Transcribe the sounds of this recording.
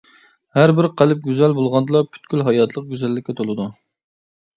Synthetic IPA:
hæɾbɪɾqʰælɪp̚ɡʲyzælbolˠʁɑnd̪ɨlˠɑpʰy̥t̪kʲʰylɦɑjɑt̪ʰlˠəq̚ɡʲyzælːɪkʲʰːɛt̪ʰolˠɨd̪u

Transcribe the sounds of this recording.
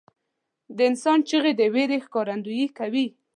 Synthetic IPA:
d̪əɪnsɑnt͡ʃəɣed̪əweɾexkɑɾand̪ujikawi

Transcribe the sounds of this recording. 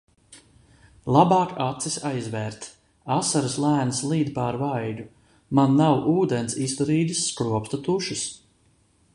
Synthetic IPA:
lˠabɑːkat̪sisʲajzvɛːɾt̪ | asaɾaslˠæːnslˠiːd̪paɾvajd̪u | manːawʔuːd̪ensist̪ɔɾiːd̪ʲisːkɾuɔpt̪at̪uʃis

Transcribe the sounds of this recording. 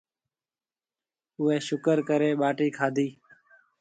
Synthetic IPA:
ʊeːʃʊkəɾkəɾeːɓaːʈiːkʰaːd̪ʱiː

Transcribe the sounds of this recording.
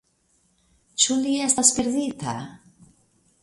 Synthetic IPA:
t͡ʃuliest̪aspeɾðit̪a̰

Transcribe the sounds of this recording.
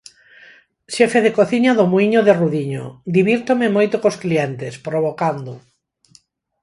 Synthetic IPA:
ʃefeðekoθiɲaðomuiɲoðeruðiɲo̰d̪iβiɾt̪omemojt̪okosklient̪espɾoβokand̪o

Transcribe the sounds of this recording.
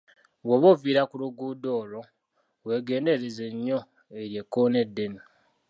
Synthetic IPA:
βoβoviːɾakuluɡuːdo̞ːlo̞ | we̞ɡe̞ːnde̞ɾeze̞ɲːo̞ | eɾje̞kːone̞dːe̞ni

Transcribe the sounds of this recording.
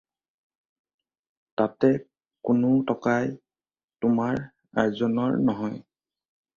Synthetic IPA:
tatɛ | kʊnʊtɔkaj | tʊmaɹ | aɹzɔnɔ̰ɹnɔɦɔj

